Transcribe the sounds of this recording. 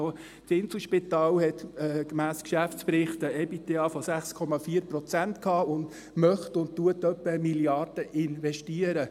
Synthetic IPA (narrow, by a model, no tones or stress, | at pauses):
oː | tɪnsl̩ʃpit̪ɑːlhɛt̪ɛɡ̥mæːskʃæfspɾɪχt̪əɛpit̪eɑːfɔsæχskʰɔmɑfiːəɾprɔt͡sæntkhɑːʊnd | mœχtʊnttuətœpːəmiljɑrd̥əʔɪnʋɛʃtiːəɾə